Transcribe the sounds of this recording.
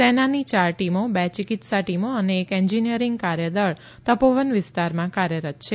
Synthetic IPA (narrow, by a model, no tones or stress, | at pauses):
senanit͡ʃaɾʈimobɛt͡ʃikɪt̪saʈimoəneːkɛɲd͡ʒinijəɾɪŋɡkaɾjəd̪ɔɭ | t̪əpoʋənʋɪst̪aɾmãkaɾjəɾət̪̚t͡ʃʰe